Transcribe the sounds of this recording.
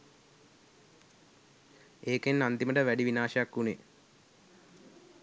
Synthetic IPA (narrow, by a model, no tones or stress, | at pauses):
eːkenːand̪iməʈəʋæɖiʋinaːʃəjakːune